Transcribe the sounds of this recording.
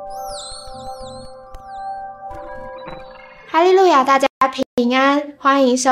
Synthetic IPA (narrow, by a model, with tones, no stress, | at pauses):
ha˥˧li˥˦lu˥˩ja˨˩t̪a˥˧˩t͡ɕja˦˥pʰi˨˩ŋa˥nxwa˥ni˧˥ŋʂo˧